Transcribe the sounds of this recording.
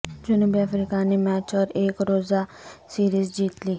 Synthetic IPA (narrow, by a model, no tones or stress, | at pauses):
d͡ʑunubiafɾikanemæt͡ɕʋəɾekɾod͡zasiːɾiːzd͡ʑiːt̪liː